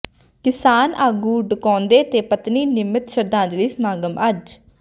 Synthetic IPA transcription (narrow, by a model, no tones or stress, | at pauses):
kɪsaːnaːɡuːɖʊkɔ̃ːnd̪eːt̪eːpət̪niːnɪmːɪt̪ʃəɾd̪ãːd͡ʒliːsmaːɡəməd͡ʒ